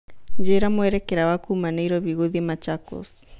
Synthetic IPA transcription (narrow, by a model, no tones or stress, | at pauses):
d͡ʒeɾamweɾekeɾawakumanejɾoβiɣuðimat͡ʃako̰s